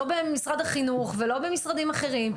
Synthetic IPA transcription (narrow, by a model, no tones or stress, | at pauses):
obemisʁad̪aχinuχvelo̞bemisʁad̪imaχe̞ʁim